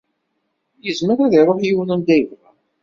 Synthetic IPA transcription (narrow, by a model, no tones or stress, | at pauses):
jəzməɾaðiɾˤoħjiwnənd̪æjəvʁæ